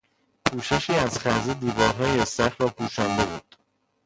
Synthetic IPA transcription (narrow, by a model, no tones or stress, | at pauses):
pʰuːʃeʃiːæzxæɾzed̪iːvɒːɾɦɒːjesæxɾɒːpʰuːʃænd̪e̞buːd̪̥